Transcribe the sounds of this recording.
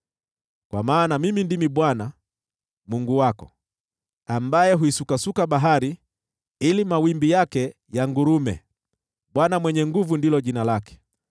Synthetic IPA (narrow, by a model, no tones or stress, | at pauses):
kwamaːnamimindimiɓwana | muŋɡuwakɔ̰ | ambajɛɦuisukasukaɓaɦaɾi | ilimawimbijakɛ | jaŋɡuɾumɛ̰ | ɓwanamwɛɲɛŋɡuvundilɔʄinalakɛ̥